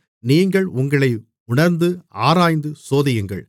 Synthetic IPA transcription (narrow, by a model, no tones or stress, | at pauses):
niːŋɡɐɭʊŋɡɐɭɐɪ | ʊɳɐɾnd̪ɯaːɾaːjnd̪ɯsoːðɪjɯŋɡɐ̰ɭ